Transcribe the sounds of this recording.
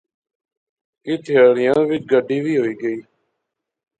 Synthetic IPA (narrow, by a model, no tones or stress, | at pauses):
kɪt̪ʰɪjaːɾɪjãːʋɪt͡ʃɡəɖʱiːʋiːɦoːiːɡəiː